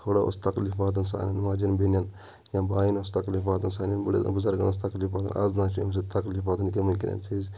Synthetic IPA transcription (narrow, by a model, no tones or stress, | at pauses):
t̪ʰoːɽaʔo̰st̪ɐklifaːt̪̬ɐnsa̰ːnʲɐnmaːd͡ʒɐnbinʲɐn | jãːbaːinost̪ɐklifaːt̪ɐnsaːnʲɐnbɐɽḛbʊzɐɾɡɐnos̬t̪ɐkliːfaːt̪ɐ̰nɐ̰ːznaːt͡ʃʰiɐms̬et̪ɐklifaːt̪ɐnkemɐnkḭnʲɐ̰nt͡ʃʰiz